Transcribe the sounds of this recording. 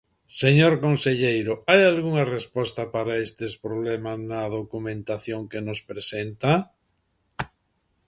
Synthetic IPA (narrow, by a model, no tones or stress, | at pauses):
seɲoɾkonseʎejɾʊajalɣuŋɐrespɔst̪ɐpaɾaest̪espɾoβlɛmasnɐðokumẽnt̪aθjoŋkenospɾesent̪a